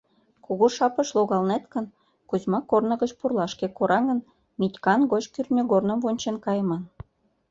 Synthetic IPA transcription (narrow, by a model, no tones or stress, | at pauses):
kuɣoʃɑpə̆ʃlˠoɣɑlnet̪kə̆n | kuzʲmɑkornɤ̆ɣət͡ɕpurlˠɑʃkekoɾʔɑɣə̆n | mʲitʲkɑnɡot͡ɕkyrnʲøɣornə̆mvonʲt͡ɕenkɑjmɑn